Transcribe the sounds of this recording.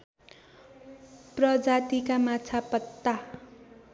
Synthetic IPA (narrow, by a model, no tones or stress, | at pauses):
prʌd͡zat̪ikamat͡sʰapʌt̪ːa